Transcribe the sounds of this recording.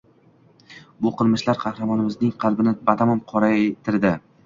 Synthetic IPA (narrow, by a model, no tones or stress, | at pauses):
bʊqɨlˠmɪʃlaɾqʰɑhɾamɒnɪmɪznɪŋqʰɑlˠbɪnɪbat̪ʰamɒmqʰɒɾat̪ʰɪɾd̪ɪ